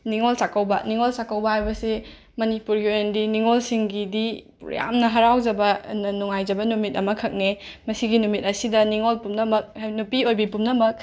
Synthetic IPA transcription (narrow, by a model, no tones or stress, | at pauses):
niŋolsakɐwbɐ̰niŋolsakɐwbɐhajbɐse | mɐnipuɾɡiojendiniŋolsiŋɡidipɾo̰ja̰mnɐɦɐɾawd͡ʒɐbɐnnuŋajzɐbɐnumit̚ɐmɐkʰɐk̚nemɐsiɡinumit̚ɐsidɐniŋolpumnɐmɐk̚nupiojbipumnɐmɐk̚